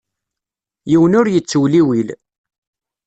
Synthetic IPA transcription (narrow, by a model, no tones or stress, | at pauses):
jiwənʊɾjət͡sːwliwil